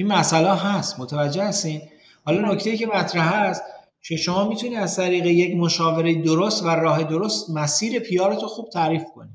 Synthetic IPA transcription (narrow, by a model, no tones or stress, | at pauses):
ʔinmæsælɒːɦæst̪mot̪ʰævæd͡ʒːe̞hæst̪iːn | hɒːlɒːno̞ct̪ejiːce̞mæt̪ʰɾæɦæst̪ | cʰe̞ʃo̞mɒːmiːt̪ʰuniːæzt̪ʰæɾiːɣeje̞cmoʃɒːve̞ɾe̞jed̪oɾost̪væɾɒːɦe̞d̪oɾost̪mæsiːɾe̞pʰijɒːɾet̪ʰoxuːb̥̚t̪ʰæːɾiːfkʰoni̥ː